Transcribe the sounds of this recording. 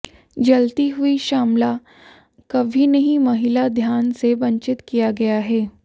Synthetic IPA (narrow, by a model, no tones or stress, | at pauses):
d͡ʒɐlt̪iɦuiʃaːmla | kɐbʱinɐɦĩmɐɦɪlad̪ʱjaːnsebɐ̃ɲt͡ʃɪt̪kijaɡɐjaɦɛː